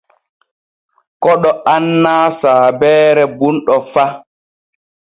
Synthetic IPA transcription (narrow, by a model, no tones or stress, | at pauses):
kɔɗɔanːaːsaːbɛːɾɛbunɗɔfa